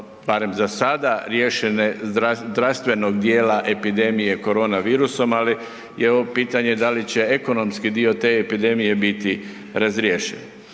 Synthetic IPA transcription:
baɾe̞mzasad̪aɾje̞ːʃeneazd̪ɾast̪ʋe̞no̞ɡ̚d̪je̞ːlaʔe̞pid̪e̞mije̞ko̞ɾo̞ːnaʋiːɾuso̞mali | jeoʋopiːt̪aɲe̞d̪alit͡ɕe̞e̞ko̞no̞mskid̪io̞t̪e̞epid̪e̞mije̞bit̪i | ɾazɾjeːʃḛn

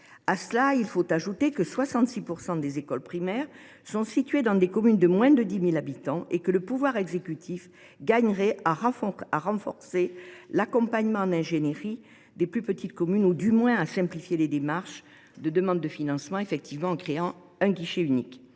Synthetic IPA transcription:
asəlailfot̪aʒut̪ekəswasɑ̃t̪sipuʁsɑ̃d̪ezekɔlpχimɛʁ | sɔ̃sit̪ɥed̪ɑ̃d̪ekɔmynd̪əmwɛ̃d̪əd̪imilabit̪ɑ̃ʔekələpuvwaʁɛɡzekʲyt̪ʰif | ɡaɲʁɛʔaʁfaʁɑ̃fɔʁselakɔ̃paɲmɑ̃nɛ̃ʒeneʁi | d̪eplypət̪it̪kɔmynud̪ymwɛ̃asɛ̃plifjeled̪emaʁʃ | d̪əd̪əmɑ̃d̪̚ːəfinɑ̃smɑ̃efɛk̚t̪ivmɑ̃ɑ̃kχeɑ̃ | ɛ̃ɡiʃeynik

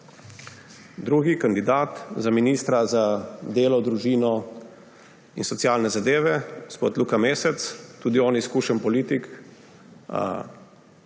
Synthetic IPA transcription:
d̪ɾuːɡikand̪id̪aːt̪zaminiːst̪ɾazad̪eːlɔd̪ɾuʒiːnɔ | insɔt̪siaːlnɛzad̪eːʋɛɡospoːt̪luːkameːsɛt̪st̪uːd̪iɔːniskuʃənpɔliːt̪ik

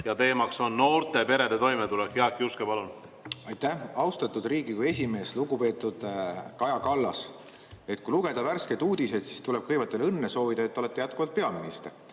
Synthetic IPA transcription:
jɑt̪e̞ːmɑkso̞nːo̞ːɾt̪ˑe̞pe̞ɾe̞d̪̥et̪o̞jmet̪ulɛkjeɑkːˑiuskepɑlun | ɑjt̪ːæhɑwst̪ɑt̪ːˑud̪̥riːɡikue̞s̬ʲime̞ːsluɡ̥upe̞ːt̪ːˑud̪̥kɑjɑkɑlːɑ̰s | e̞t̪̚kuiluɡ̥e̞d̪̥ɑværske̞d̪uːd̪̥ise̞d̪̥si̥st̪uleb̥̚kɤjvɑt̪ːˑe̞lɤnːeso̞ːvid̪̥ɑet̪ːoet̪ːˑejæt̪̚kuvɑlt̪̚pe̞ɑminist̪er

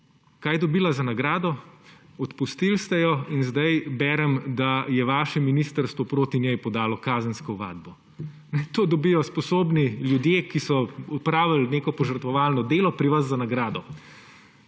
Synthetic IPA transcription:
kaːjd̪ɔbiːlazɐnaɡɾaːd̪ɔ | ɔt̪pust̪ilst̪ɛjɔinzd̪ajbɛːɾɛmd̪ajɛʋaːʃɛminist̪əɾst̪ʋɔpɾoːt̪inʲjɛjpɔd̪aːlɔkaːzənskɔʋa̰ːd̪̚bɔ | nɛt̪oːd̪ɔbijɔspɔsoːbniljud̪jeːkisɔupɾaːʋalneːkɔpɔʒəɾt̪ʋɔʋaːlnɔd̪eːlɔpɾiʋazːanaɡɾaːd̪ɔ

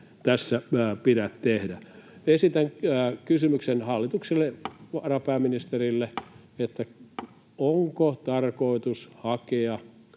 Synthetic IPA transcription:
t̪æsːæpiɾætt̪ehdæ | esit̪æŋːkysymyksenhɑlːit̪ukselːeʋɑrɑpæːminist̪erilːe | et̪ːæ | oŋkot̪ɑrkoˑit̪ushɑkeɑ

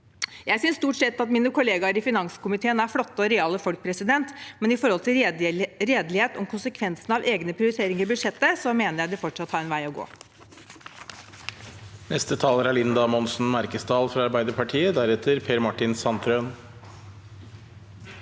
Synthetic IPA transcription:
jæɪsʏnst̪uːʈsɛt̪ːɑt̪miːnəkʰʊleːɡɑɾɪfɪnɑŋskʊmɪt̪ʰeːənæɾflɔt̪ːəɔɾɛɑːləfɔlk̚pʰɾɛsɪd̪ɛnt̪mɛnɪfɔɾhɔlt̪ɪlɾeːd̪lɪheːt̪ɔmkʰʊnsəkʰʋɛnsnəɑʋeːɡnəpʰɾɪʊɾɪt̪ʰeːɾɪŋəɾbʉd̪ʂɛt̪ːəsɔmeːnəɾjæɪd̪ɪfɔʈʂɑt̪ːhɑːɾɛnʋæɪɔɡo̰ː | nɛst̪ət̪ʰɑːləɾæɭɪnd̪ɑmɔnsn̩mɑɾkəsd̪ɑːlfɾɑɑɾbæɪd̪əɾpʰɑʈʰiːəd̪æɾɛt̪ʰəɾpʰeːɾmɑʈɪnsɑnt̪ʰɾøːn

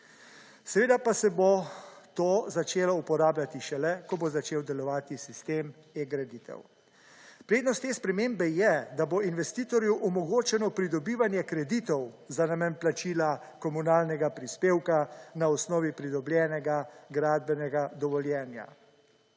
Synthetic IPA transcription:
sɛʋeːd̪apasɛbot̪oːzat͡ʃeːlɔupɔɾaːbljat̪iʃɛlɛkɔbozat͡ʃeːwd̪ɛlɔʋaːt̪isist̪eːm | jɛɡɾɛd̪it̪ɛ̰w | pɾeːd̪nɔst̪ːeːspɾɛmeːmbɛjɛd̪aboinʋɛst̪iːt̪ɔɾjuʔɔmɔɡoːt͡ʃɛnɔpɾid̪ɔbiːʋanjɛkɾɛd̪iːt̪ɔw | zanamɛnplat͡ʃiːla | kɔmunaːlnɛɡapɾispeːwkanaɔsnɔːʋipɾid̪ɔbljɛːnɛɡaɡɾaːd̪̚bɛnɛɡad̪ɔʋɔljɛːnja̰

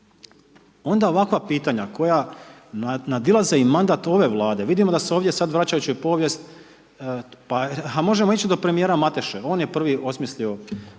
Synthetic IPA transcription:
o̞nd̪ao̞ʋakʋapiːt̪aɲakʰo̞ja | nad̪ilˠaze̞imand̪aːt̪o̞ʋe̞ʋlˠaːd̪e̞ʋid̪imod̪aseoːʋd̪je̞sad̪ʋɾat͡ɕajut͡ɕuipo̞ːʋje̞st̪ | pahamo̞ʒe̞mo̞it͡ɕid̪o̞pɾe̞mije̞ːɾamat̪e̞ʃeo̞ːnjepr̩ʋio̞smisʎio̞

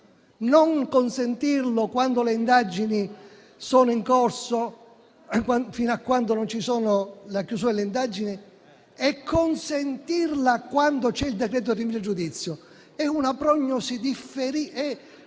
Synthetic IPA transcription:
noŋkonsent̪irlokwand̪oleind̪ad͡ʒini | soːnoiŋkorso | afinoakːwand̪onont͡ʃisoːnolakjus̬uːad̪eleind̪ad͡ʒini | ɛkʰːonsent̪irlakwand̪ot͡ʃɛild̪ekɾɛːt̪̬oirimiɾad͡ʒud̪it̪sːjo | ɛunapɾɔɲːosid̪ifːeɾiɛ

